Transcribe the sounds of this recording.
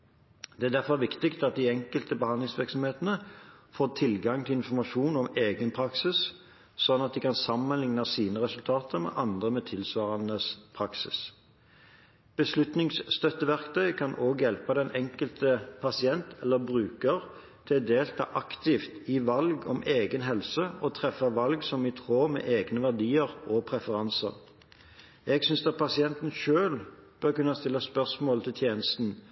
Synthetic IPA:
d̪̥ɛæʁd̪æʁfɔʁʋɪkt̪ɪkt̪ɑt̪̚d̪ɪɛŋkəlt̪əbəhɑnd̪lɪŋsʋɪʁksɔmheːt̪ənəfoːt̪ʰɪlɡɑŋt̪ʰɪlɪnfɔɾmɑʂuːnɔmeːɡənpʰɾɑksɪs | sɔd̪nɑt̪̚d̪ɪkɑnsɑmːənlɪŋnɑsiːnəʁɛsʉlt̪ʰɑːt̪ʰəʁmɛ̰ʔɑnd̪ʁəmɛt̪ʰɪlsʋɑːʁɑnəspʰɾɑksɪ̰s | b̥əslʉt̪nɪŋsst̪œt̪ːəʋæʁkt̪ʰœʏkʰɑnʔoːɡjɛlpəd̪ɛnʔɛŋkəlt̪əpʰɑsɪɛnt̪ʰɛlːəbʁʉːkəʁ | t̪ʰɪd̪eːlt̪ʰɑ̰ːʔɑkt̪ɪft̪ɪʋɑlɡɔmʔeːɡənɦɛlsəɔt̪ʰʁɛfːɑʋɑlɡsɔmɪt̪ʰʁoːmɛ̰ːʔeːɡnəʋæʁd̪iːəʁɔpʰʁɛfəʁɑnsə̰ʁ | ɛɡsʏnsd̪ɑt̪̚pʰɑsɪɛnt̪n̩ʃøːlb̥œʁkʉnːɑst̪ɪlːɑspœʁsmoːlt̪ʰɪlt̪ʰjeːnəst̪n̩

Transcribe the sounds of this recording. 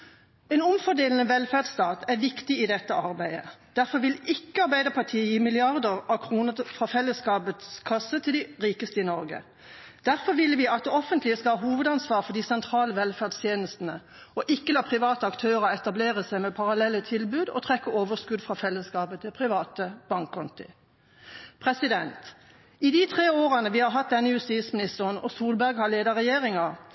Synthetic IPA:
ɛnʊmfɔd̪eːlənəʋɛlfæd̪st̪ɑːt̪æʁʋɪkt̪ɪɪd̪ɛt̪ːəʔɑʁbæɪə̰d̪̥æɾfɔɾʋɪlɪkːəɑʁbæɪd̪əpʰɑʁt̪ʰiːəjiːmɪlɪɑʁd̪əʁɑkʰʁuːnəfʁɑfɛlːəskɑːbət̪skʰɑsːət̪ʰɪld̪ɪʁiːkəst̪əɪnɔɾɡə̰ | d̪̥æʁfɔʁʋɪlʋɪɑt̪̚d̪ɛɔfənt̪lɪəskɑlhɑːɦuːʋəd̪ɑnsʋɑːʁfɔd̪isɛnt̪ʰʁɑːləʋɛlfæːʁd̪st̪ʰjeːnəst̪ən̩ə | ɔʔɪkːəlɑːpʰʁɪʋɑːt̪əɑkt̪ʰøːʁɑɛt̪ɑbleːʁəsæɪmɛpʰɑʁɑlɛlːət̪ʰɪlbʉːd̪ɔ̰t̪ʰʁɛkːəoːʋəskʉd̪fʁɑːfɛlːəskɑːbət̪ʰɪpʰʁɪʋɑːt̪əb̥ɑŋkʰːɔnt̪ɪ̰ | pʰʁɛsɪd̪ɛnt̪ | ɪd̪iːt̪ʰʁeːoːʁɑnəʋɪːhɑɦɑt̪̚d̪ɛnːəjʉst̪iːt̪smɪnɪst̪əʁənɔ̰suːlbæʁɡhɑʁleːd̪ɑʁɛjeːʁɪŋɑ

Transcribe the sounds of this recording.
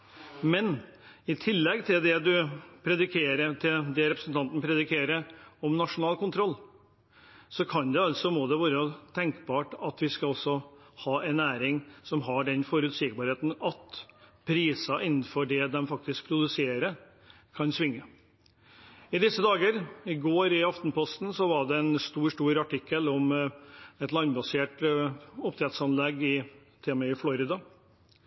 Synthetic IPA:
mɛnɪt̪ʰɪlːɛɡt̪ʰɪld̪ɛd̪ʉpʰɾɛd̪ɪkʰeːɾət̪ʰɪd̪ɛɾɛpɾəsn̩t̪ʰɑnt̪n̩pʰɾɛd̪ɪkʰeːɾəɔmnɑʂʊnɑːlkʊnt̪ʰɾɔlː | sɔkʰɑnd̪ɛɑlsɔmoːd̪ɛʋæːɾət̪ʰɛŋkbɑːʈɑt̪ʋɪskɑɔsːɔhɑːʔɛnæːɾɪŋsɔmɦɑɖɛnfɔɾʉːt̪sɪkəbɑːɾheːt̪n̩ɑt̪pʰɾiːsɑʔɪnːn̩fɔɖɛd̪ɛmfɑk̚t̪ɪsk̚pʰɾʊd̪ʉseːɾə | kʰɑnsʋɪŋːə | ɪd̪ɪsːəd̪ɑːɡəɾɪɡoːɾɪɑft̪n̩pʰɔst̪n̩sɔʋɑɖɛɛnst̪uːʂʈuːɾɑʈɪkːəlɔm | ɛt̪lɑnbɑseːʈʊpt̪ʰɾɛt̪sɑnlɛɡɪ | t̪ʰeːməɪflɔɾɪd̪ɑ

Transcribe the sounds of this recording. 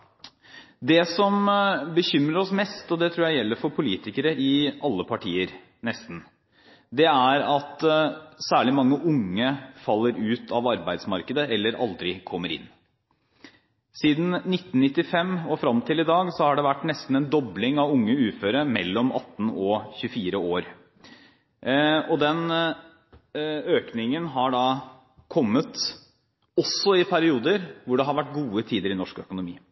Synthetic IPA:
d̪ɛsɔmbəçʏmɾəɾɔsmɛst̪ɔd̪ɛt̪ʰɾuːjæɪjɛlːəɾfɔɾpʰʊliːt̪ɪkəɾəʔɪʔɑlːəpʰɑʈʰiːəɾ | nɛst̪n̩ | d̪ɛæɾɑt̪sæːɭɪmɑŋːəʔʊŋːəfɑlːəɾʉːt̪ʰɑʋɑɾbæɪd̪smɑɾkəd̪əɛlːəɾʔɑ̰ld̪ɾɪkʰɔmːəɾɪ̰nː | siːd̪n̩nɪt̪ːn̩nɪt̪ːɪfɛmːɔfɾɑmt̪ʰɪlɪd̪ɑːɡsɔhɑɖɛʋæʈːnɛst̪n̩ɛnd̪ɔblɪŋɑʋʊŋːəʉːføːɾəmɛ̰lːɔmɑ̰t̪ːn̩ɔçʉfiːɾəoːɾ | ɔd̪ɛn | øːknɪŋənɦɑɖɑː | kʰɔmːət̪ | ɔsɔɪpʰæɾɪuːd̪əɾʋʊɖɛɦɑɾʋæʈ̚ːɡuːət̪ʰiːd̪əɾɪnɔʂkœkʊnʊmḭː

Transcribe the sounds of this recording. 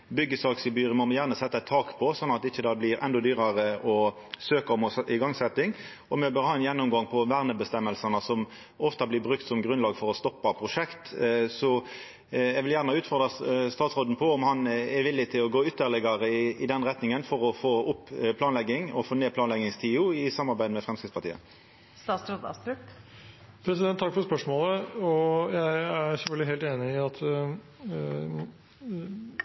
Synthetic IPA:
bʏɡːəsɑksəbyːɾəmɔmɛjæːʁnəsɛt̪ːəɛt̪ʰːɑːkpʰɔsɔnːɑt̪ɪçːəd̪ɑːblɪɾɛ̰nd̪ɔd̪yːɾɑɾəɔ | søːkɑɔmɔɪɡɑŋsɛt̪ːɪŋ | ɔmɛbøɾhɑːɛnjɛnːʊmɡɑŋpʰɔʋæʁnəbəst̪ɛmːəlsɑnəsɔm | ɔft̪ɑblɪbʁʉkt̪sɔmɡʁʉnlɑːɡfɔɾɔst̪ɔpːɑpʰɾʊʂɛkt̪sɔ | ɛɡʋɪljæːʁnəɑʉːt̪fɔʁd̪ʁɑst̪ɑːt̪sʁoːd̪n̩pʰɔɔmhɑnɛʋɪlːɪt̪ʰɪlɔɡoːʏt̪ːəʁlɛɡɑʁəɪɪd̪ɛnʁɛt̪nɪŋənfɔʁɔfoːʊpːpʰlɑːnlɛɡːɪŋɔfoːneːpʰlɑːnlɛɡɪŋst̪ʰiːʊɪsɑmːɑʁbæɪəmɛfʁɛmskɪtspɑʁt̪ḭːə̰ | st̪ɑːsɾod̪ɑ̰st̪ʉk | pʰɾɛsɪd̪ɛnt̪ːʰɑkːfɔɾspœʂmoːləɔjæɪæɾsɛlfœld̪ɪheːlt̪eːnɪɪɑt̪

